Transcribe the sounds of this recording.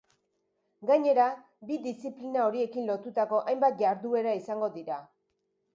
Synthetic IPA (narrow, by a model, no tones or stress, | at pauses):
ɡaɲe̞ɾa | biðisiplinao̞ɾie̞kinlo̞t̪ut̪ako̞ʔajmbat̪̚ʝaɾðue̞ɾaisaŋɡo̞ðiɾa